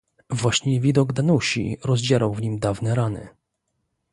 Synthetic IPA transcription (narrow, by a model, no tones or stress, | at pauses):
vwaɕɲɛvʲid̪ɔɡd̪anuɕḭɾɔzd͡ʑaɾawvɲimd̪avnɛɾanɘ̰